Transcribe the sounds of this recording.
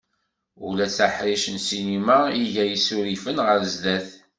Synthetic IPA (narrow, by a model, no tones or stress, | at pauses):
ṵlæt͡sːaħɾiʃənsinimaiʝæjisuɾifənʁəɾzd̪æθ